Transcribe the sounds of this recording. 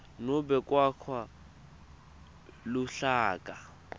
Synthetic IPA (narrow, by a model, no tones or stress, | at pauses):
nʊbɛkʼwakʰwa | lʊɬaːkʼa